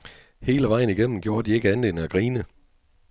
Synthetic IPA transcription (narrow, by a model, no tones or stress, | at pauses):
he̝ːləʋɑ̈ɪ̰n̩iɡ̥en̰m̩ɡ̥jo̝ːɐd̥ie̝ɡ̥əænle̝nəæɡ̥ʁiːnə